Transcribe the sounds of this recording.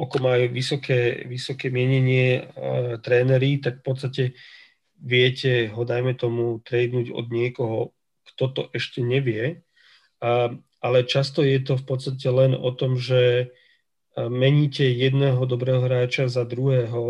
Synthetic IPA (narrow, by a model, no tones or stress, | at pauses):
ʔakɔmajuʋisɔkɛːʋisɔkɛːmɪɛɲɛɲɪɛ | t̪ɾɛːnɛɾit̪akfpɔt̪st̪acɛ | ʋɪɛcɛɦɔd̪ajmɛt̪ɔmut̪ɾɛːd̪nuːɟɔ̰d̪ɲɪɛkɔɦɔ | kt̪ɔt̪ɔʔɛʃcɛɲɛʋɪɛ | ʔalɛt͡ʃast̪ɔjɛt̪ɔfpɔt̪st̪acɛlɛnɔ̰t̪ɔmʒɛ | mɛɲiːcɛjɛd̪nɛːɦɔd̪ɔbɾɛːɦɔɦɾaːt͡ʃazad̪ɾuɦɛːɦɔ